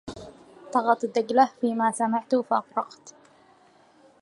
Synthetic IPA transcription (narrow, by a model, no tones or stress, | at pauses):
sˤɑɣɑt̪ˤd̪aɡlafiːmasamaʕt̪ʊfaʔɑqɾˤɑqt̪